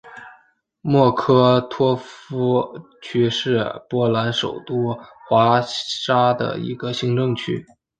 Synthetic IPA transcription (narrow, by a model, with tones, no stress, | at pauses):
mwɔ˥˩kʰɤ˥t̪ʰwɔ˥fu˥ | t͡ɕʰy˥ʂɻ̩˥˩pwɔ˧˥la˧˥nʂo̰˨˩ʊt̪u˥xwa˧˥ʂa˥d̪ə̰˩ḭ˧˥ɡə˧ɕi˧˥ŋʈ͡ʂɤ˥˧ŋt͡ɕʰy̰˥